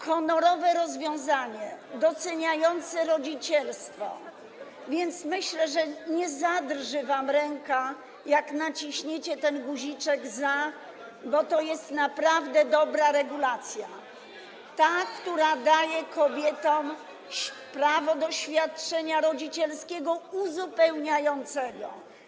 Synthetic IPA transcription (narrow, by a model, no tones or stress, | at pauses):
xɔnɔɾɔvɛɾɔzvʲjɔ̃w̃zaɲɛd̪ɔt̪sɛɲajɔnt̪sɛɾɔd͡ʑit͡ɕɛlst̪fɔ̰ | vʲjɛnt̪smɘɕlɛʐɛɲɛzad̪rʐɘvamɾɛŋka | jaknat͡ɕiɕɲɛt͡ɕɛt̪ɛnɡuʑit͡ʂɛɡza | bɔt̪ɔjɛst̪napɾavd̪ɛd̪ɔbɾaɾɛɡulat̪sʲja | t̪akt̪uɾad̪ajɛkɔbʲjɛt̪ɔm | ɕpɾavɔd̪ɔɕfʲjat̪̚t͡ʂɛɲaɾɔd͡ʑit͡ɕɛlskʲɛɡɔuzupɛwɲajɔnt̪sɛɡɔ̰